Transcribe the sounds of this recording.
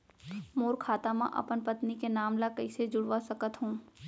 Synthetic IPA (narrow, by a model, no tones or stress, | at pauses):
moːɾkʰaːt̪amã̰ʔɐ̰pənpət̪nikenaːmlakɐised͡ʒʊɽʋasɐkət̪ɦũː